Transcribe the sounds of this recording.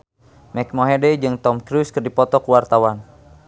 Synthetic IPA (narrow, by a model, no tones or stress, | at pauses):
mɛk̚mɔɦɛdɛd͡ʒɨŋt̪ɔmkɾuskɨrdipɔt̪ɔkuwart̪awan